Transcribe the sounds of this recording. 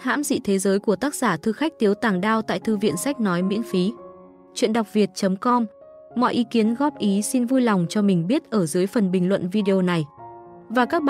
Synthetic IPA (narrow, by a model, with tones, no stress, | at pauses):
ha̰ː˧˥mzḭ˧˨t̪ʰe˨˦zəː˨˦jku˧˩ət̪aː˦˥k̚zaː˧˩t̪ʰɨ˧xa˦˥k̟̚t̪i˨˦əwt̪aː˧˩ŋɗaː˧wt̪a̰ː˧˨jt̪ɨ˧vḭ˧˨ənsa˦˥jk̟̚nɔ˨˦jmḭ˧˥nfi˨˦ | t͡ɕwḭ˧˨ənɗa˨˩wk͡p̚vi˨˩ət̚t͡ɕə˨˦mkɔ˧mː | ɔ̰˧˨jʔi˨˦ki˨˦ənɣɔ˦˥p̚ʔi˨˦si˧nvu˧jla˨˩wŋ͡mt͡ɕɔ˧mï˨˩ŋ̟ɓi˦˥ət̚ʔəː˧˩zɨː˨˦əjfə˨˩nɓï˨˩ŋ̟lwə̰˧˨nvi˧ɗe˧o˧na˨˩j | vaː˨˩kaː˦˥k̚